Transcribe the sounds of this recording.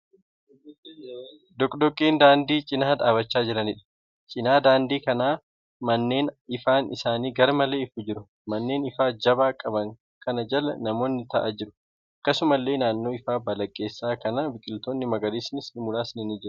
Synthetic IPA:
d̪ɔkʼd̪ɔkʼːiːnd̪aːnd̪iːt͡ʃʼɪnaːᶑ̪aːbɐt͡ʃːaːd͡ʒɪɾɐnɪᶑɐ̥ | t͡ʃʼɪnaːd̪aːnd̪iːkɐnaː | mɐnːe̞ːnɪfaːnɪsaːniːɡɐɾmɐleːɪfʊd͡ʒɪɾʊ | mɐnːe̞ːnɪfaːd͡ʒɐbaːkʼɐbɐŋ | kɐnɐd͡ʒɐlɐnɐmo̞ːnɪt̪ɐʔa̰ːd͡ʒɪɾʊ̥ | ɐkːɐsʊmɐlːe̞ːnaːnːo̞ːɪfaːbɐlɐkʼːe̞ːsːaːkɐnabɪkʼɪlt̪oːnːɪmɐɡɐliːsnɪsnɪmʊlaːsnɪnid͡ʒɪɾ

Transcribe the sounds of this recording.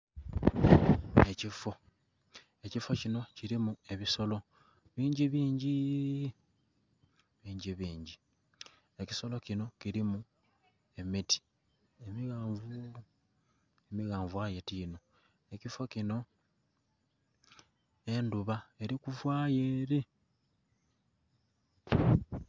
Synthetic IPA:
e̞cifo | e̞cifo̞cino̞ciɾimue̞βiso̞lo̞ | βiːɲɟiβiːɲɟi | βiːɲɟiβiːɲɟi | e̞ci̥so̞lo̞cino̞ciɾimu | e̞miti̥ | emiɣaːɱvu | emiɣaːɱvwajetiːno̞ | e̞cifo̞cino̞ | e̞nduβae̞ɾikuvwaːjeɾe

